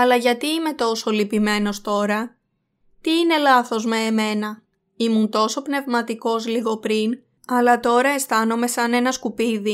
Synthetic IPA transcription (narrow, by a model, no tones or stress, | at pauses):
ɐlɐʝɐt̪iime̞t̪o̞so̞lipime̞no̞st̪o̞ɾɐ | t̪iine̞lɐθo̞zme̞ːme̞nɐ | imunt̪o̞so̞pne̞vmɐt̪iko̞zliɣo̞pɾin | ɐlɐt̪o̞ɾɐe̞st̪ɐno̞me̞sɐne̞nɐskupiði